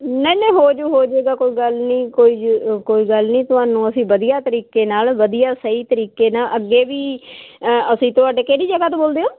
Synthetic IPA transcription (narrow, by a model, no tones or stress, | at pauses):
nəĩnɛ̃ːɦoːd͡ʒoːɦoːd͡ʒeːɡaːkoːiːɡəlnĩːkoːiːkoːiːɡəlnĩːt̪ʊɦaːnũːəsĩːʋəd̪ijaːt̪əɾiːkeːnaːlʋəd̪ijaːsəiːt̪əɾiːkeːnaːʔəɡːeːʋiː | əsĩːt̪ʊaːɖeːkeːɽiːd͡ʒəɡaːt̪õːboːld̪eːoː